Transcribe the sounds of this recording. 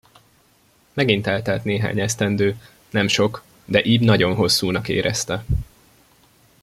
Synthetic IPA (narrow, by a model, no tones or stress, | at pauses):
mɛɡint̪ɛːlt̪ɛlt̪neːɦa̰ːɲɛst̪ɛnd̪øː | nɛmʃo̞k | d̪ɛʔiːbnɒɟo̞nɦo̞sːuːnɒkḛːɾʔɛ̰st̪ɛ